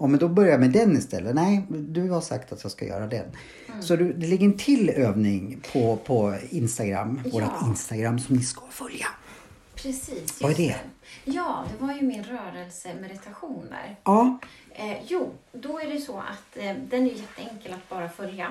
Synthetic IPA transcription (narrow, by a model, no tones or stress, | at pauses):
ɔmɛnd̪ɔbœɾjamɛd̪ɛnːɪst̪ʰɛ̰lːənɛɪd̪ɵhaʂa̰kt̪at̪jɑːɡska̰jœ̰ːɾad̪ɛ̰n | sɔd̪ɵd̪ɛlɛɡːəɾɛnt̪ʰɪløːvnɪŋpʰɔpʰɔɪnst̪aɡɾa̰mːvoːɾat̪ɪnst̪aɡɾamːsɔmnɪskafœlja | pʰɾɛsiːsjaɛd̪ɛjɑːd̪ɛvaɾjɵmɪnɾœːɾɛlsəmɛd̪ɪt̪ʰaɧuːnə̰ɾɑː | juːd̪ɔæɖɛjsɔa̰t̪d̪ɛnæɾjjɛt̪ʰːəɛŋkəlat̪̚bɑːɾafœlja